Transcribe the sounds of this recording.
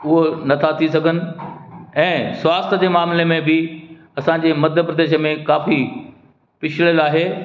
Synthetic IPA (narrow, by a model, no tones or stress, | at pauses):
ʊɦonɐt̪ʰat̪ʰisɐɡʱənɪ̆ɛ̃ːsʋaːst̪ʰəd͡ʑeːmaːmlemẽbɪ | ɐsãːɲd͡ʑeːmɐd̪ʱjəpɾɐd̪eːʃəmẽkaːfi | pɪt͡ɕʰɪɭəlaːɦeː